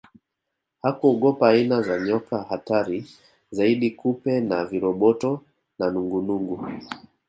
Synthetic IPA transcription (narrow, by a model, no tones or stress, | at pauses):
hakuɔɠɔpaːinazaɲɔkahataɾi | zaiɗikupɛnaviɾɔɓɔtɔ | nanuŋɡunuŋɡu